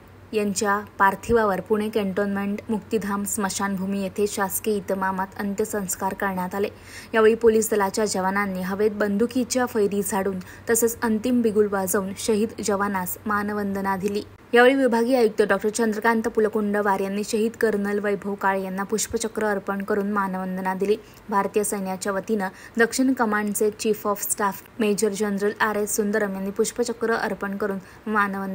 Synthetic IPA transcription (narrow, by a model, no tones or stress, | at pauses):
jaɲt͡ɕjapaɾt̪ʰiʋaʋəɾpuɽ̃ekeɳʈonmeɳʈmukt̪id̪ʱamsməɕanbʱumiːjet̪ʰeɕaskeit̪əmamat̪ənt̪jəsə̃w̃skaɾkəɾɳjat̪ale | ɦjaʋeɭiːpoliːsd̪əlat͡ɕjad͡ʑəʋananːiːɦəʋet̪̚bənd̪ʱukit͡ɕjafəjɾiːd͡zʱaɽuːn | t̪əset͡sənt̪imbiɡulbad͡zaunɕəɦiːd̪d͡ʑəʋanasmanəʋənd̪nad̪ʱiliː | ɦjaʋeɭiːʋibʱaɡiːajuk̚t̪əɖɔk̚ʈəɾt͡ɕənd̪ɾəkant̪əpuləkuɳɖəʋaɾjanːiːɕəɦiːd̪kəɾnəlʋəjbʱəʋkaɭjanːapuɕpət͡ɕəkɾəəɾpəɳkəɾuːnmanʋənd̪ənad̪iliː | bʱaɾt̪ijəsəjnjat͡ɕjaʋət̪inəd̪əkʂiɳkəmaɳɖt͡set͡ɕifɔfsʈaf | med͡ʑəɾd͡ʑənɾəlaɾessund̪əɾəmjanːiːpuɕpət͡ɕəkɾəʔə̰ɾpəɳkəɾuːn | manəʋənd̪